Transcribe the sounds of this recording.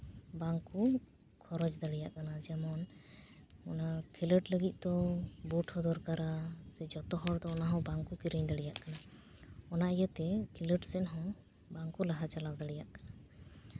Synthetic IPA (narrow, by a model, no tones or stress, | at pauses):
baŋku | kʰɔɾɔd͡ʒd̪əɽijaʔkanad͡ʒɛmɔn | ɔnakʰiləʈləɡit̪̚ˀd̪ɔbuʈʰhɔd̪ɔɾkaɾasɛd͡ʒɔt̪ɔɦɔɽd̪ɔːnaɦɔ̃baŋkukiɾəɲd̪əɽijaʔkana | ɔnaijət̪ɛkʰiləʈsɛnɦɔ̃ | baŋkulaɦat͡ʃalawd̪əɽijaʔkana